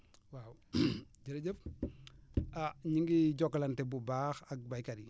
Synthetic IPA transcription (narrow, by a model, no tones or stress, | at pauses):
wawɟəɾɟəp̚ | aɲiŋɡiɟɔkːlantebubaxak̚bajkadi